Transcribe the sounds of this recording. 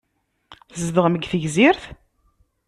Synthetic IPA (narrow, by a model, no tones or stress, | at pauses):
zðəʁməɡθəʝziɾθ